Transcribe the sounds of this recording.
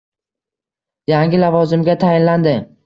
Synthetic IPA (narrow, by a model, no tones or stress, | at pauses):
jaŋɡʲɪlavɒzɪmɡʲat̪ʰajɪnland̪ɪ